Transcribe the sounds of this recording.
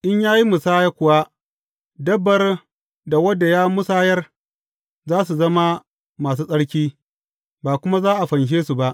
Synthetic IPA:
ʔɪ˦ɲjaː˦ji˦mʊ˨saː˦ja˦kʷʊ˨wa˦ | dɐ˦bːɐ˨r | da˨wɐ˦da˨jaː˦mʊ˦saː˦jɐ˦r | zaː˦s̬u˨zɐ˦ma˦ | maː˨s̬uː˦sʼɐ˦ɽkʲiː˦ | baː˨kʷʊ˦ma˦zaː˦ʔa˨ɸɐ˨nʃ̬eː˦su˨ba˦ʔ

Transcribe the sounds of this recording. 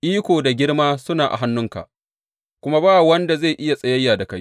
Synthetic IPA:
ʔiː˦kʷoː˨da˨ɡʲɪ˦ɽmaː˦sʊ˦naː˨ʔa̰˨ɦa˦nːʊ˦ŋka̰˨ʔ | kʷʊ˦ma˦baː˦˨wɐ˦nda˨ze˦˨jʔɪ˦ja˨sʼɐ˦jɐ˦jːaː˨da˨ka˦j

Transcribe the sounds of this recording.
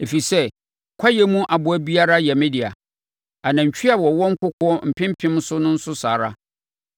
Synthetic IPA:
e˨fi˨sɛ˦ | kʷʰa˦jɛ˦mũ˦ʔa˨bʊ˨æ˦bi˦a˦ɾa˦jɛ˨mɪ̃˦di˨a̰˨ | a˨nã˨ɲ̩˨t͡ɕᶣʰi˦a˨wɔ˨wɔ̃˦ŋ̩˦kʰʊ˦kʰʊ˦ɔ˦m̩˨pʰɪ̃˦m˦pʰɪ̃˦m˦sʊ˦nʊ̃˦n̩˦sʊ˦saː˨ɾa˦

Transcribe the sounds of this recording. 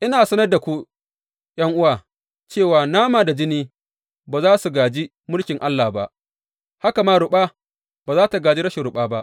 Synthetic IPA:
ʔɪ˦naː˨sɐ˦nɐ˦rda˨kʷu˦ | j̰ɐ˦ŋʔʊ˦waː˨ | t͡ʃeː˦˨waː˨naː˦maː˨da˨d͡ʒɪ˦niː˦ | baː˨zaː˦su˨ɡaː˨d͡ʒi˦ | mʊ˦lkʲɪ˨ŋʔa˦lːaː˨ba˦ʔ | ha˦ka˨maː˦ɽʊ˨ɓaː˦ | baː˨zaː˦ta˨ɡaː˨d͡ʒi˦ɾɐ˦ʃe˨ɾʊ˨ɓaː˦ba˦ʔ

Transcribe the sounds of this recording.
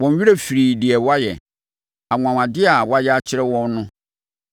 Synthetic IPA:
wɔ̃˨n˦ɥi˦ɾe˦fi˨ɾi˨dɪ˨ɛ˨wa˦jɛ˨ | a˨ŋʷ˨ã˨wã˨dɪ˦a˨wa˦jɛ˦a˦t͡ɕʰɪ˦ɾɛ˦wɔ̃˦n˦nʊ̃˦

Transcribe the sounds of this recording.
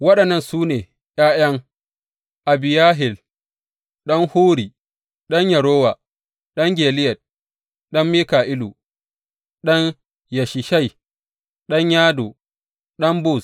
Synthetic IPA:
wɐ˦ɗɐ˨nːɐ˦˨nsuː˦neː˨ | jaː˦jɐ˦ŋ | ʔa˨bɪ˨jaː˦ɦɪ˨l | ɗɐ˦ŋhuː˦ɽiː˨ | ɗɐ˦ɲjɐ˨ɾoː˦waː˨ | ɗɐ˦ŋɡʲeː˨lɪ˦jɐ˨t̚ | ɗɐ˦mːiː˦kaː˨ʔɪ˦lu˨ | ɗɔ˦ɲ | jɐ˨ʃɪ˨ʃɐ˦˨j | ɗɐ˦ɲjaː˦do˨ | ɗɐ˦mbʊ˦˨s

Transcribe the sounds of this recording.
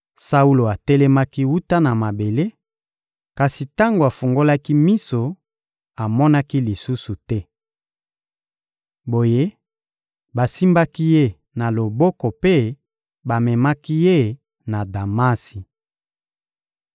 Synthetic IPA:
sa˦u˦lo˨a˨tɛ˦lɛ˦ma˦ki˦wu˦ta˦na˨ma˨be˨le˦ | ka˨si˨ta˦ŋɡo˨a˨fu˨ŋɡo˦la˦ki˦mi˦so˨ | a˨mɔ˦na˦ki˦li˨su˦su˨tɛ˦ | bo˨je˦ | ba˨si˦mba˦ki˦je˦˨ | na˨lo˨bɔ˦kɔ˨pe˦˨ | ba˨mɛ˨ma˦ki˦je˦˨ | na˨da˨ma˦si˨

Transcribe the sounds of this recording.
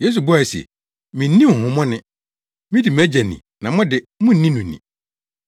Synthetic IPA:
je˦s̬u˨bʊ˦a˨sɛ̰˨ | mĩ˨n̩˦ĩ˦m̩˨hʊ̃˨mɔ̃˦nɪ̃˦ | mĩ˦di˨m˨æ˦d͡ʑæ˨nḭ̃˨nã˨mʊ̃˦dɪ˨ | mʊ̃˦n̩˦nĩ˦nũ˨nḭ̃˨

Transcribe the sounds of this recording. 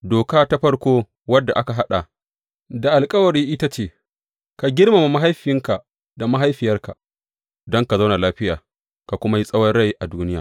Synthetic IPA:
doː˨kaː˦ta˦ɸɐ˦ɽkʷoː˦ | wɐ˦dːa˨ʔa˦ka˨ɦa˦ɗa̰˨ | da˨ʔa˨lkʼɐ˦wɐ˨ɾiː˦ʔɪ˦ta˦t͡ʃeː˦˨ | ka˨ɡʲɪ˦rma˨ma˨ma˦ɦa˦jɸɪ˨jɪ˦ŋka˨ | da˨ma˦ɦa˦jɸɪ˨jɐ˦rka˨ | dɔ˦ŋka˨za˦wna˨laː˦ɸɪ˦jaː˨ | ka˨kʷʊ˦ma˦ji˦sʼɐ˦wɐ˦nɽa˦˨jʔa˨duː˦nɪ˦jaː˨

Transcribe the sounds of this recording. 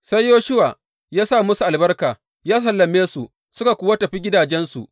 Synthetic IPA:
sa˦jjoː˦ʃʊ˦waː˨ | jaː˦saː˦˨mʊ˦su˨ʔa˨lbɐ˦rkaː˨ | jaː˦s̬ɐ˨lːɐ˨meː˦su˨ | sʊ˦ka˨kʷʊ˦wa˦tɐ˨ɸi˦ɡʲɪ˦daː˨d͡ʒɛ˦nsu˨ʔ

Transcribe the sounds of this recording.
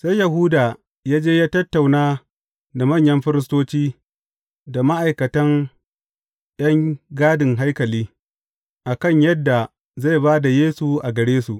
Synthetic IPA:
sa˦jjɐ˨ɦuː˦daː˨ | jaː˦d͡ʒeː˦jaː˦tɐ˦tːa˨wnaː˦ | da˨mɐ˦˨ɲjɐ˦mɸɪ˦ɾɪ˦stoː˦t͡ʃiː˦ | da˨ma˦ʔa˨jkɐ˨tɐ˦n | ɗɐ˦ŋɡaː˦dɪ˨ŋɦa˦jkɐ˨liː˦ | ʔa˨kɐ˦˨ɲjɐ˦dːa˨ | za˦˨jbaː˦da˨jeː˦su˨ʔa˨ɡɐ˨ɽeː˦su˨ʔ

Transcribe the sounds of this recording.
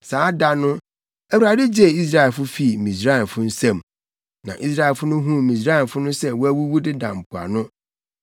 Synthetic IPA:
saː˨˦da˦nʊ̃˦ | æ˨wu˨ɾa˨dɪ˦d͡ʑe˦˨i˦s̬ɾa˦ɛ˨lfʊ˦fi˦˨mĩ˨sɾa˦ɛ˨fʊ˦n̩˦sɛ̃˨m | nã̰˨ʔi˦s̬ɾa˦˨lfʊ˦nʊ̃˦ɦũ˦mĩ˨s̬ɾa˦ɛ˨fʊ˦nʊ̃˦sɛ˦wɔ˦æ˦wu˦wu˦dɪ˦dã˨m̩˨pʰu˨a̰˨nʊ̃˦

